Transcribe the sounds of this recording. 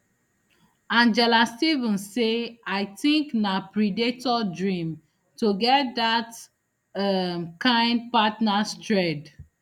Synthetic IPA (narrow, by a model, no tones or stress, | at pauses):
ãnd͡ʒɛlastivə̃nseaɪtĩŋknapɹidetɔdɹĩm | tuɡɛt̚dat | ɛmkãɪ̃nd̚patnastɹɛd